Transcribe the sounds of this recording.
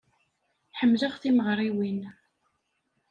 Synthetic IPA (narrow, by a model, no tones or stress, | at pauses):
ħəmːləʁθiməʁɾˤiwin